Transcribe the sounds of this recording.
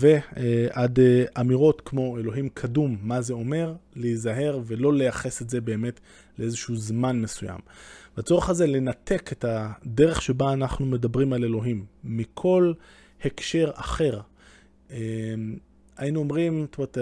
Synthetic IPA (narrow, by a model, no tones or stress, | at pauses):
ve̞ʔadamiʁo̞tkmo̞e̞lo̞ɦimkʰadumːaze̞o̞me̞ʁleizaɦe̞ʁve̞lo̞le̞jaχesetzebe̞ːme̞t | leezeʃehuzmanmesuja̰mbat͡so̞ʁeχazele̞nate̞ketade̞ʁe̞χʃe̞baːnaχnume̞dabʁimale̞lo̞ɦimːikʰo̞l | hekʃe̞ʁaχe̞ʁ | e | ainuomʁimt̪umet